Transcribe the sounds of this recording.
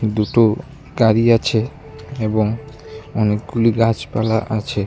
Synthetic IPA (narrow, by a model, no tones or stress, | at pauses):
d̪uʈo | ɡaɾiat͡ɕʰe | eboŋ | ɔnek̚ɡuliɡat͡ɕpalaʔat͡ɕʰe